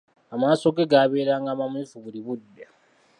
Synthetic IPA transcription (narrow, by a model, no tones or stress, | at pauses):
amaːso̞ɡeɡaːβe̞ːɾaːŋɡaːmamulifuβuliβudːa